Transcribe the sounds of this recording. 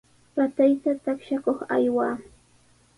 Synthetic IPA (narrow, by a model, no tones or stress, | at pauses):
pat̪ajt̪at̪akʃakoχa̰jwaː